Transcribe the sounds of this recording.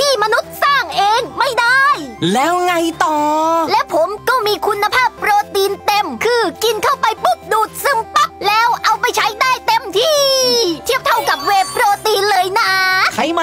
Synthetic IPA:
t̪ʰiː˥˩ma˧nu˦˥t̪̚saː˥˩ŋʔeː˧ŋma˥˩jdaː˥˩jlɛː˦˥wŋa˧jt̪ɔː˨˩lɛː˦˥wpʰo˩˦mkɔː˥˩miː˧kʰu˧nːa˧pʰaː˥˩pːɾoː˧t̪iː˧nt̪e˧mkʰɯː˧ki˧nkʰa˥˩wpa˧jpu˦˥˩p̚duː˨˩t̪̚sɯ˧˩mpa˦˥p̚lɛː˦˥wʔa˧wpa˧jt͡ɕʰa˦˥jdaː˥˩jt̪e˧mt̪ʰiː˥˩t̪ʰi˥˩əp̚t̪ʰa˥˩wka˨˩p̚weː˦˥˩pːɾoː˧t̪iː˧nlɤː˧jnaː˧˩kʰa˦˥jma˧

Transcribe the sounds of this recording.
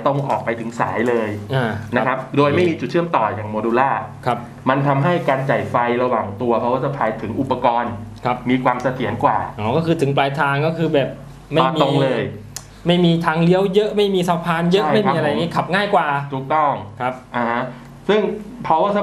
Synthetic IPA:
t̪o˧ŋʔɔː˨˩k̚pa˧jt̪ʰɯ˩˦ŋsa̰ː˩˦jlɤː˧jʔaː˧˩na˦kʰa˦˥p̚doː˧jma˥˩˧jmiː˧t͡ɕu˨˩t̪̚t͡ɕʰɯ˥˩əmt̪ɔː˨˩jaː˨˩ŋmoː˧duː˧laː˥˩kʰa˦˥p̚ | ma˧nt̪ʰa˧mɦa˥˩jkaː˧nt͡ɕa˨˩jfa˧jɾa˧waː˨˩ŋt̪u˧ɐpʰɔ˦˥waː˥˩sʰa˦˥pʰaː˧jt̪ʰɯ˩˦ŋʔu˨˩pːa˧kɔː˧nkʰa˦˥pmiː˧kʰwaː˧msa˧t̪ʰi˨˩˦ənkwa̰ː˨˩ʔɔː˨˩kɔː˥˩kʰɯː˧t̪ʰɯ˩˦ŋplaː˧jt̪ʰaː˧ŋkɔː˥˩kʰɯː˧bɛː˨˩p̚ | ma˥˩˧miːo˧ŋlɤː˧j | ma˥˩jmiː˧t̪ʰaː˧ŋli˦˥əwjɤ˦˥ʔma˥˩jmiː˧saː˦˥wpʰaː˧njɤ˦˥˦jma˥˩jmː˦˧ʔa˧ɾa˧jja˨ŋiː˦˥kʰa˨˩p̚ŋaː˥˩jkwaː˨˩t̪ʰuː˨˩k̚t̪ɔ˥˩ŋkʰa˦˥p̚ʔa˧˩ha˦˥ | sɯ˥˩ŋpʰɾɔ˦˥waː˥˩a˧˥

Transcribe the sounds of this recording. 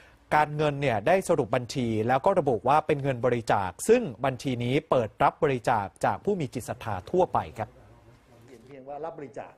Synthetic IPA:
kaː˧nŋɤ˧nːi˥˩ɐdaː˥˩jsa˧ɾu˨˩p̚ba˧nt͡ɕʰiː˧lɛː˦˥wkɔː˥˩ɾa˧buː˨˩t̪̚waː˥˩pe˧nŋɤ˧nbɔː˧ɾi˦˥t͡ɕa̰ː˨˩k̚sɯ˥˩ŋba˧nt͡ɕʰiː˧niː˦˥pɤː˨˩t̪̚ɾa˦˥p̚bɔː˧ɾi˦˥t͡ɕaː˨˩k̚t͡ɕaː˨˩k̚pʰuː˥˩miː˧t͡ɕi˨˩t̪̚sa˧t̪ʰaː˧t̪ʰu˥˩ɐpa˧jkʰa˦˥p̚ | i˧˥˦bɔ˧ɾi˦˥t͡ɕa̰ː˨˩

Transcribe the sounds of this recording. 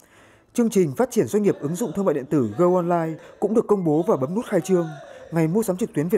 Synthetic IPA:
t͡ɕɨ˧əŋt͡ɕï˨˩ŋ̟faː˦˥t̚t͡ɕi˧˩ənzwa˧ŋ̟ŋi˨˩əp̚ʔɨ˨˦ŋzʊ̰˧˨ŋ͡mt̪ʰɨ˧ŋma̰˧˨ɗḭ˧˨t̪ɨ˧˩ɣəː˧ʔɔ˧nlaː˧jkʊ̰˧˥ŋ͡mɗɨ˨˩əkːə˧wŋ͡mɓo˨˦vaː˨˩ɓə˨˦mnu˦˥t̚xaː˧jt͡ɕɨ˧əŋŋa˨˩jmu˧əsaː˨˦mt͡ɕɨ˨˩k̚t̪wi˨˦əv

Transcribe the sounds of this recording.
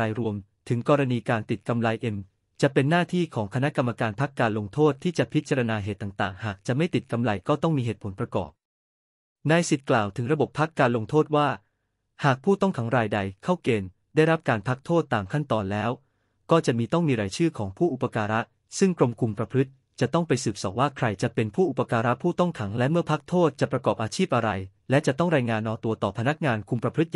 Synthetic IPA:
aː˧jɾu˧əmt̪ʰɯ˩˦ŋkɔː˧ɾa˧niː˧kaː˧nt̪i˨˩t̪̚ka˧mla˧jʔe˧m | t͡ɕa˨˩pe˧nːaː˥˩t̪ʰiː˥˩kʰɔː˩˦ŋkʰa˧na˦˥ʔka˧mːa˧kaː˧npʰa˦˥kːaː˧nlo˧ŋt̪ʰoː˥˩t̪ʰːiː˥˩t͡ɕa˨˩pʰi˦˥t̪̚t͡ɕa˧ɾa˧naː˧ɦeː˨˩t̪ːa˨˩ŋt̪a̰ː˨˩ŋhaː˨˩k̚t͡ɕa˨˩ʔma˥˩jt̪i˨˩t̪̚ka˧mla˧jkɔː˥˩t̪ɔ˥˩ŋmiː˧ɦeː˨˩t̪̚pʰo˩˦npɾa˧kɔ̰ː˨˩p̚ | na˧jsi˨˩t̪̚klaː˨˩wt̪ʰɯ˨˩˦ŋɾa˧bo˨˩pʰːa˦˥kːaː˧nlo˧ŋt̪ʰoː˥˩t̪̚waː˥˩ | haː˨˩k̚pʰuː˥˩t̪ɔ˥˩ŋkʰa˩˦ŋɾaː˧jda˧jkʰa˥˩wkeː˧n | daː˥˩jɾa˦˥p̚kaː˧npʰa˦˥k̚t̪ʰoː˥˩t̪ːaː˨˩mkʰa˥˩nt̪ɔː˧nlɛː˦˥w | kɔː˥˩t͡ɕa˨˩miː˧t̪ɔ˥˩ŋmiː˧ɾaː˩˦jt͡ɕʰɯː˥˩kʰɔː˩˦ŋpʰuː˥˩ʔu˨˩pːa˧kaː˧ɾa˦˥ʔ | sɯ˥˩ŋkɾo˧mkʰu˧mpɾa˧pʰɾɯ˦˥t̪̚ | t͡ɕa˨˩t̪ɔ˥˩ŋpa˧jsɯː˨˩p̚sɔ̰˨˩˦k̚waː˥˩kʰɾa˧jt͡ɕa˨˩pe˧npʰuː˥˩ʔu˨˩pːa˧kaː˧ɾa˦˥pʰuː˥˩t̪ɔ˥˩ŋkʰa˩˦ŋlɛ˦˥mɯ˥˩ɐpʰa˦˥k̚t̪ʰoː˥˩t̪̚t͡ɕa˨˩pɾa˧kɔː˨˩p̚ʔaː˧t͡ɕʰiː˥˩p̚ʔa˧ɾa˧j | lɛ˦˥t͡ɕa˨˩t̪ɔ˥˩ŋɾaː˧jŋaː˧nʔɔː˧t̪u˧ɐt̪ɔː˨˩pʰa˧na˦˥k̚ŋaː˧nkʰu˧mpɾa˧pʰɾɯ˦˥t̪̚

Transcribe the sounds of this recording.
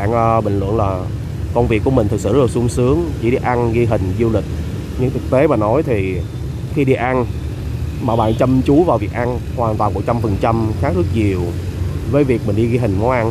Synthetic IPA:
aː˧˨nʔːɓï˧˨ŋ̟lwə̰˧˨nlaː˨˩ | kə˧wŋ͡mvi˨˩əkːu˧˩əi˨˩ŋ̟t̪ɨ˨k̚sɨ̰˧˩zə˦˥˨su˨˧˦əŋ͡msɨ˨˦əŋt͡ɕḭ˧˩ɗi˧ʔa˧nɣi˧ɦï˨˩ŋ̟zu˧lï˨˩k̟̚ | ɲɨ̰˧˥ŋt̪ʰɨ˨˩k̚t̪e˨˦ɓa̰ː˨˩nːɔ˨˦jt̪ʰi˨˩ | xi˧ɗi˧ʔa˧n | ma̰ː˨˩wɓa̰ː˧˨nt͡ɕə˧mt͡ɕu˨˦vaː˨˩wvi˨˩ək̚ʔa˧nhwaː˨˩nt̪waː˨˩nmo˨˧˩t̚t͡ɕa˧mfə˨˩nt͡ɕa˧mxaː˦˥k̚zɨ˦˥k̚ɲi˨˩əw | vəː˨˦jvi˨˩ək̚mï̟˨˩ɗi˧ɣi˧ɦï˨˩ŋ̟mɔ˨˦ʔa˧n

